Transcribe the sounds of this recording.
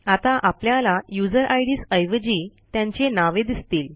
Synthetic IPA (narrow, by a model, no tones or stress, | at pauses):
at̪aʔapljalajud͡zəɾʔajɽiːsəjʋəd͡ʑit̪jãɲt͡ɕenaʋed̪ist̪iːl